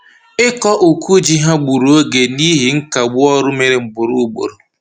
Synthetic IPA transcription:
ɪ˦kɔ˦ʔo˨ku˦d͡ʒi˦ɦa˦ɡ͡bu˨ɾu˨˦o˦ɡe˨ni˦ɦi˨ŋ̩˦ka˨ɡ͡bʊ˦ɔ˦ɾʊ˦me˨ɾɪ˨ŋ͡m̩˨bʊ˨ɾu˦ɡ͡bo̰˨ɾo˨

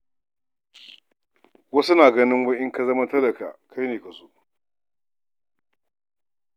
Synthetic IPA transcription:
wɐ˦su˦naː˨ɡɐ˦nɪ˦ŋwɐ˦ʔɪ˦ŋka˨zɐ˦ma˦tɐ˦lɐ˨ka̰˨ʔkʰa˦jneː˨kɐ˨su˦ʔ

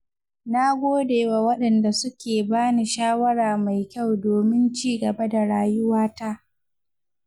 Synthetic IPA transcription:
na˦ɡʷoː˦deː˨wa˨wɐ˦ɗɐ˨nda˨sʊ˦kʲeː˨baː˦ni˨ʃaː˦wɐ˦ɽaː˨ma˨jkʲa˦˨wdoː˨mɪ˦nt͡ʃiː˦ɡɐ˨ba˦da˨ɽaː˦jʊ˦waː˦ta˦ʔ

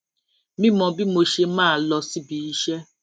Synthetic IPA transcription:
mĩ˦mɔ̃˧bi˦mo˧ʃe˧mãː˦˨lɔ˧si˦bi˨˦ʃɛ˦

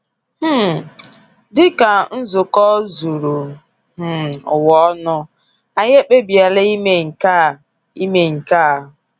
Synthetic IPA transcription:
h̩˦˨ | dɪ˦ka˨n̩˦zʊ˨kɔ˦zu˨ɾu˨ | h̩˨ʊ˨wɔ˦nʊ˦ | a˨ɲ˦e˦k͡pe˦bi˨a˨le˦i˦me˦ŋ̩˨ka˦ | i˦me˨ŋ̩˨ka˦˨ɦ

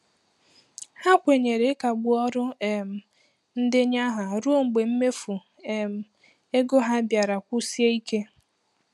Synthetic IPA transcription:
ha˦kʷe˨ɲe˨ɾe˨˦ka˨ɡ͡bʊ˨ɔ˦ɾʊ˦e˨m̩˨ | n̩˦dɪ˦ɲa˦ɦa˨ɾu˦o˦ŋŋ͡m̩˨ɡ͡be˨m̩˦me˦fu˨ | e˨m̩˨ | e˦ɡo˦ɦa˦bja˨ɾa˨kʷu˦si˦e˦i˦ke˦

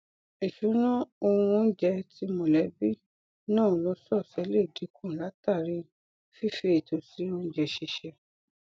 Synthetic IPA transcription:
i˨ʃu˨˦nã˦õ˧ũ˧˦n̩˦d͡ʒɛ˧ti˧˦mõ˨lɛ˨˦bi˦ | nãː˦˨lɔ˧˦sɔ˦˨sɛ˨˦le˦˨di˨˦kũ˦˨la˨˦ta˦˨ɾi˨˦ | fi˦fe˧e˨to˨si˨˦o˧˦d͡ʒɛ˧ʃi˧ʃɛ˧

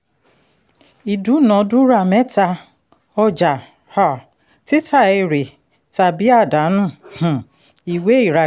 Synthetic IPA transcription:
i˨du˨˦nɔ̃˨˦du˦ɾa˦˨mɛ˦ta˧ | ɔ˦d͡ʒa˨ | ha˨ | ti˦tʰa˦˨e˧ɾe˨ | ta˨bi˦a˦˨da˨˦nũ˦˨h̩˨ | i˨we˦i˨ɾa˨

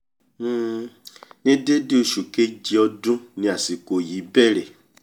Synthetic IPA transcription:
nĩ˦de˦de˦o˧ʃu˨ke˦d͡ʒi˧˦ɔ˧dũ˦nĩ˧˦a˨si˨ko˨jiː˨˦bɛ˦˨ɾɛ˨

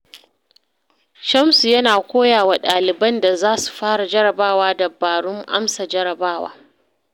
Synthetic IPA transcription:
ʃɐ˦msu˨jɐ˦naː˨kʷoː˦jaː˨wa˨ɗaː˨lɪ˨bɐ˦nda˨zaː˦su̥˨ɸaː˦ɽa˨d͡ʒɐ˦ɾɐ˨baː˦waː˦dɐ˨bːaː˨ɽʊ˦ŋʔa̰˦msa˨d͡ʒɐ˦ɾɐ˨baː˦˨wa̰ː˦

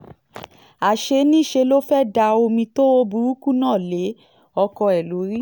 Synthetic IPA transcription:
a˨ʃe˧˦nĩ˦˨ʃe˧lo˦fɛ˦da˧o˧mĩ˧to˦o˦bu˧˦u˦ku˦nãː˦˨le˨˦ | ɔ˧kɔ˧ɛ˨lo˨˦ɾi˦

